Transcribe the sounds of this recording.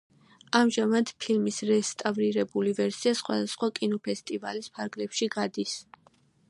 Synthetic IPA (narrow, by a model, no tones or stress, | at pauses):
amʒamad̪pʰilmisɾɛst̪ʼavɾiɾɛbulivɛɾsiasχwa̰d̪asχwakʼinɔpʰɛst̪ʼiva̰lispʰaɾɡlɛpʃiɡad̪is